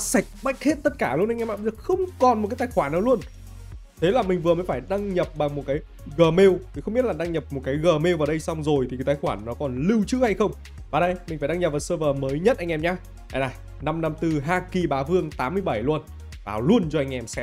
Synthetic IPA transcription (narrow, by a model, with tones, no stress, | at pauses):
sa˨˩jk̟̚ɓa˦˥jk̟̚he˦˥t̚t̪ə˦˥t̚kaː˧˩lu˧ə˧nʔa˧ŋ̟ɛ˧ma̰ː˧˨˧zə˨˩xə˧wŋ͡mkɔ˨˩nm̚˨˩kaː˨˦t̪ːjxwaː˧˩nːa˨˦wlu˧ən | t̪ʰe˨˦laː˨˩mï˨˩ŋ̟vɨ˨˩əməː˨˦jfaː˧˩jɗa˧ŋɲə˨˩p̚ɓa˨˩ŋmo˨˩t̚kaː˨˦j | ɣəː˨˩me˧wt̪ʰi˨˩xwŋ͡mɓi˦˥t̚laː˨˩ɗa˧ŋɲə˨˩p̚mo˨˩t̚kaː˨˦jɣəː˨˩me˧wvaː˨˩wɗə˧jsa˧wŋ͡mzo˨˩jt̪ʰi˨˩kːa˨˦t̪aː˧˨˩jxwaː˧˩nːɔ˨˦kɔ˨˩nli˧wt͡ɕɨ̰˦˧˥ha˧jxə˧wŋ͡m | vaː˨˩ɗə˧jmï˨˩ŋ̟faː˧˩jɗa˧ŋɲə˩va˨˩wsəː˧vəː˨˩məː˨˦jɲə˦˥t̚ʔa˧ŋʔɛ˧mɲaː˧ | ʔa˧jna˨˩ | na˧mna˧mt̪ɨ˨˩ɦaː˧ki˨˩ɓaː˨˦vɨ˧əŋt̪aː˨˦mːɨ˧əjɓa˧˩jlu˧ən | va̰ː˨˩lu˧ənt͡ɕɔ˧ʔa˧jŋ̟ʔɛ˧msɛ˧˦